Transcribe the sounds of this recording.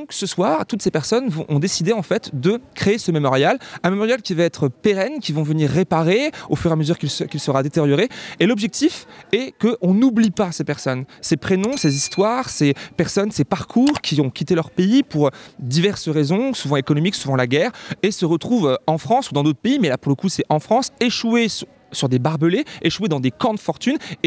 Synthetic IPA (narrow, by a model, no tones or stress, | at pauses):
d̪ɔ̃ksəswaʁt̪ut̪sepɛʁsɔnvɔ̃ʔɔ̃d̪esid̪eɑ̃fɛt̪d̪əkχeːsəmemɔʁjalɛ̃memɔʁjalkʲivaɛt̪χəpeʁɛnkʲivɔ̃vəniʁːepaʁeofyʁeaməzyʁkilskʲilsəʁad̪et̪eʁjɔʁeelɔbʒɛk̚t̪ifɛkəʔɔ̃nublipasepɛʁsɔnsepχenɔ̃sezist̪waʁsepɛʁsɔnsepaʁkʰuːʁkʲʰiɔ̃kʲʰit̪elœʁpeipuʁd̪ivɛʁsəʁezɔ̃suvɑ̃ekɔnɔmiksuvɑ̃laɡʲɛːʁesəʁət̪χuvøɑ̃fχɑ̃sud̪ɑ̃d̪ot̪χəpeimɛlapuʁləkusɛɑ̃fχɑ̃seʃwes | syʁd̪ebaʁbəleeʃwed̪ɑ̃d̪ekɑ̃d̪əfɔʁt̪yne